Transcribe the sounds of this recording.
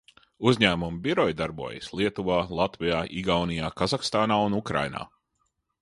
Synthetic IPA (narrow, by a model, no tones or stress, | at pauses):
uzʲɲæːmumbiɾɔjd̪aɾbṵɔja̰sʲlˠiɛt̪uvaːlˠat̪vijaːʔiɡawnijaːkazakst̪aːnaːunukɾa̰jna̰ː